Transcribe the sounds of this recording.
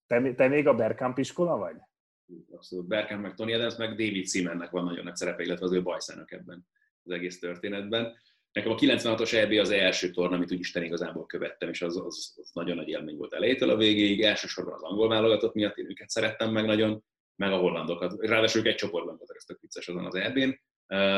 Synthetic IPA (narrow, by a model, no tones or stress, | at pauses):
t̪ɛmt̪ɛmeːɡɒbɛrkampiʃko̞lɒvɒɟ | ɒpsoluːt̪̚bɛrkampmɛk̚t̪onijɛd̪ɛmsmɛɡd̪eːvit̪simɛnːɛkʋɒnːɒɟonːɒksɛɾɛpɛilːɛt̪vɛɒzøːbɒjsa̰ːnɒkɛbːɛn | ɒzɛɡeːst̪ø̞rt̪eːnɛd̪bɛn | nɛkɛmɒkilɛnsvɛnɦɒt̪o̞ʃɛbeːɒzɛlʃøːt̪o̞rnɒmit̪uːɟiʃt̪ɛniɡɒzaːbo̞lkøvɛt̪ːɛmeːʃɒzzznɒɟo̞nːɒɟḛːlmeːɲvo̞̰lt̪ɛ̰lɛjeːt̪øːlʔɒveːɡeːiɟɛlʃøːʃo̞rbɒnɒ̰zɒŋɡo̞lvaːlo̞ɡɒt̪ot̪mijɒt̪ːeːnøːkɛt̪sɛɾɛt̪ːɛmːɛɡnɒɟo̞n | mɛɡɒɦo̞lːɒnd̪o̞kɒt̪raːd̪aːʃuljukɛc̚t͡ʃo̞po̞rd̪bɒmbolt̪køst̪økʋit̪sːɛʃɒzonɒ̰zɛrbeːn